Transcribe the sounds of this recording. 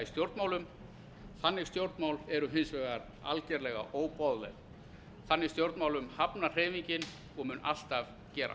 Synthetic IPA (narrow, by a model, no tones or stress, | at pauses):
ist̪jowɾt̪maːwlʏm | θanːɪɣst̪jowɾt̪mawlɛɾʏɦensvɛɣaɾ | a̰lcɛɾlɛɣa̰ʔoːwpɔðlɛ̰ɣ | θanːɪ̥st̪jowɾt̪nmawlʏmhapnar̥eːjviɲcɪn | ɔɣmʏnʔa̰l̥t̪av | cɛːɾa̰